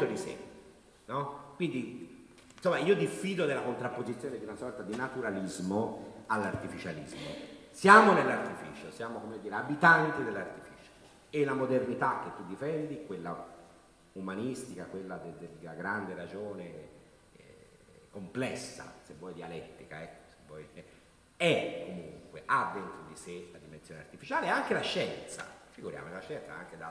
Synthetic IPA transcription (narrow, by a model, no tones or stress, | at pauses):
t̪od̪isɛ̰ | nɔkːwind̪i | insomːaiːod̪ifːiːd̪od̪elːakont̪ɾapːozit̪sjoːned̪iunasɔrt̪ad̪inat̪uɾalizmoalːart̪ifit͡ʃalḭzmo̰sjaːmonelːart̪ifḭːt͡ʃosjaːmokomed̪ːiːɾeabit̪ant̪id̪elːart̪i̥fiːt͡ʃo̥ | elamod̪ernit̪ak̟ːet̪ːud̪ːifɛnd̪ikwelːa | umanist̪ikakwelːad̪ed̪ed̪elaɡɾand̪eɾad͡ʒoːne | komplɛsːa̰sevːɔjd̪ialɛt̪ːikaɛkːo̥sevːɔj | ɛkːomuŋkweʔad̪ːent̪ɾod̪iselad̪imensjoːnḛart̪ifit͡ʃaːleaŋkelaʃːɛnt̪sa̰fiɡuɾja̰mot͡ʃelaʃːɛnt̪sa̰a̰ŋk̟ed̪a